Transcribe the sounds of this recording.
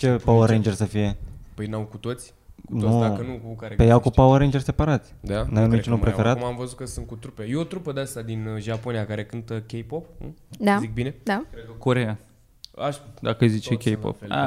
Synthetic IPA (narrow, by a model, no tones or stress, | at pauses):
t͡ʃe̞pawəɾend͡ʒerʲsəfije̞pəjnawkut̪o̞t̪sʲ | nukənukukaɾepejawkupawəɾend͡ʒerʲse̞paɾat̪sʲd̪anajenumit͡ʃunupɾefeɾat̪mamvəzut̪kəsun̚kut̪ɾupejeot̪ɾupəd̪east̪ad̪inʒaponijakaɾe̞kɨnt̪əkʲejpopd̪azik̚bine̞d̪akɾekoɾea | aʃd̪akəɨjzit͡ʃekʲejpo̰pa̰